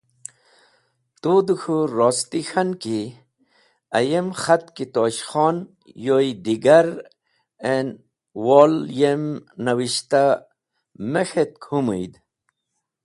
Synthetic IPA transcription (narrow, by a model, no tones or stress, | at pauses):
t̪ud̪uxʰuɾoːst̪ixanki | ɐ̰jemxat̪kit̪oːɕxɔːn | joid̪iɡaɾ | en | woːljemnɐwiɕt̪a | mexet̪̚kʰumujd̪